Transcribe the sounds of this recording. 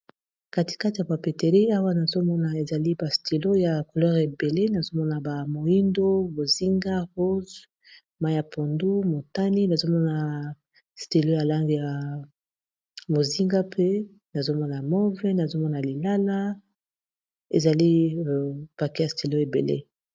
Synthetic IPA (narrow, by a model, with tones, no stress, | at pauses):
ka˦ti̥˨ka˦ti˨ja˨pa˨pe˨te˨ʁi˦a˦wa˦na˨zo˦mɔ˦na˨e˨za˨li˦ba˨sti˨lo˦ja˨ko˨lɔ˦ʁe˨be˨le˦na˨zo˦mɔ˦na˨ba˨mo˨i˦ndo˦bo˨zi˦ŋɡa˦ʁo˦z | ma˦ja˨po˨ndu˦mo˨ta˦ni˦na˨zo˦mɔ˦na˨ | sti˨lo˦ja˨la˦ŋɡi˨ja˨ | mo˨zi˦ŋɡa˦pʰe˦ | na˨zo˦mɔ˦na˨mɔ˦vɛ˦na˨zo˦mɔ˦na˨li˨la˦la˦ | e˨za˨li˦˨ | pa˨ke˦ja˨sti˨lo˦e˨bḛ˨lḛ˦